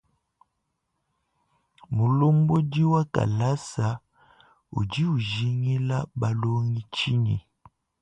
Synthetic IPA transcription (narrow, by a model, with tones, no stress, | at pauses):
mu˨lo˦mbo˦di˦wa˦ka̰˨la˦sa˨ | ṵ˨d͡ʒi˦u˨ʒi˦ŋi˦la˦ba˨lo˦ŋi˦t͡ʃi˦nḭ˨